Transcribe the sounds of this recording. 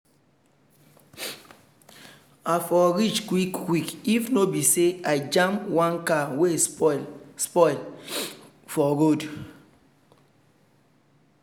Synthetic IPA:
afɔɾit͡ʃkwikːwikifnobisead͡ʒãmwãnkawe | spɔɪl | fɔɡod

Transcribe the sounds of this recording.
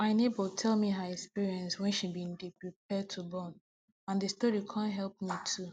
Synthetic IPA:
maɪnebəltʰɛlˠmiɦəɛkspiɹiɛ̃nswɛ̃nʃibĩndipɹip̚ɛd̚tʰubɔn | ãndəstɔɹikʰãnɦɛlˠp̚mitʰu

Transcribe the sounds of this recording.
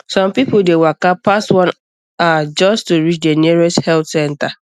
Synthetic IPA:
sɔ̃mpipʊdewakapastwɔ̃n | ad͡ʒɔstuɹit͡ʃdeniɹoshɛltsɛ̃nta

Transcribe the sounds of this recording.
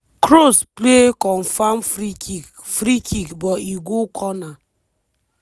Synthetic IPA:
kɾosplekɔnfamfɾii | fɾikʰikbɔiɡokʰɔna

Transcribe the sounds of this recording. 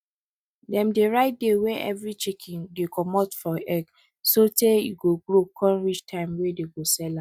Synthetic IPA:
dɛ̃mdeɹaɪt̚dewɛ̃ʔɛ̰vɹit͡ʃikʰĩndekʰɔmɔtfɔɛɡ | sotejḭɡoɡɾokʰɔ̃nɹit͡ʃtʰãɪ̃mwedeɡosɛlã

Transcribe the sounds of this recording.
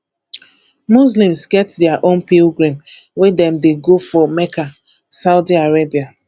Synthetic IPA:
mus̬lĩmsɡɛtdɛaʔõnpilɡɹãm | wedɛ̃mdeɡofɔmɛka | saʊdiaɹebia

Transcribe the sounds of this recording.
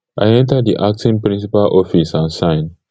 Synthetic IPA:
ʔajɛ̃ntədiʔak̚tĩnpɹĩns̬ipalʔɔfisãnsãɪ̃n

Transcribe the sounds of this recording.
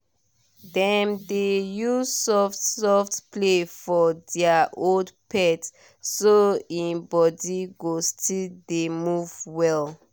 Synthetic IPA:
dɛ̃mdejusɔftsɔftplefɔdɛaʔoldpʰɛt | soĩnbɔdiɡostʰildemuvwɛl

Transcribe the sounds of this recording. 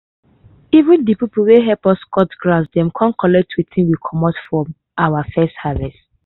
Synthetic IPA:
ivĩndipipulweɦɛlpɔskɔtɡlasdɛ̃mkʰãnkʰɔlɛk̚tʰwiθĩnwikʰɔmɔtfɹɔ̃m | ʔawafɛsthavɛst

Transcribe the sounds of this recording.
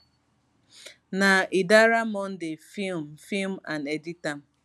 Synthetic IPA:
naʔidaɾamɔn̩dɪfilm̩film̩a̰neditam̩

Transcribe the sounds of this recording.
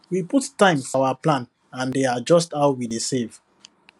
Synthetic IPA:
wiputtãɪ̃mfɔawaplãn | ãndead͡ʒɔstaʊwidesev̥

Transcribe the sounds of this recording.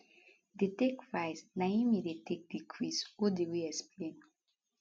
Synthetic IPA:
detekɹaɪsnaimidetek̚dikʰɹiswodewiɛksplẽn

